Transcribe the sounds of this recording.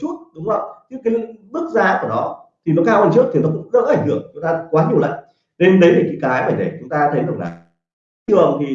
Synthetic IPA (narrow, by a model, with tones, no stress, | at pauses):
t͡ɕu˦˥t̚ɗʊ˨˦ŋ͡mə˧˩wt͡ɕi˧˦˥kaː˨˦jɓɨ˦˥k̚zaː˧ku˧˩ənɔ˨˦t̪ʰi˨˩nɔ˨˦kaː˧wa˧˩nt͡ɕɨ˦˥k̚t̪ʰi˨˩nɔ˨˦kʊ̰˧˥ŋ͡mzə̰˧˥ʔa˧˩ŋ̟h̪ɨ˧˩əŋt͡ɕʊ˨˦ŋ͡mt̪aː˧˦˥kwaː˨˦ɲi˨˩əwla̰˧˨ŋ | ne˧nɗə˨˦jlaː˨˩kiː˨˦jkaː˨˦jɓaː˨˩ɗ̪e˧˩t͡ɕʊ˨˦ŋ͡mt̪aː˧t̪ʰə˨˦jɗa˨˩ŋla̰ː˨˩ | ɨ˨˧˩əŋt̪ʰi˨˩